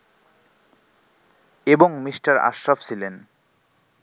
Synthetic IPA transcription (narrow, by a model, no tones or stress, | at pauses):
eboŋmisʈaɾa̰ʃɾaft͡ɕʰilen